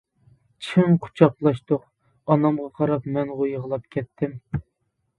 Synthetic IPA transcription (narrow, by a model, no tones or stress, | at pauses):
t͡ʃʰɪŋqʰʊ̥t͡ʃʰɑqlˠɑʃt̪ʊq̚ | ɑnɑmʁɑqʰɑɾɑpmɛnʁojəʁəlˠɑp̚kʲʰɛt̪ʰːɪm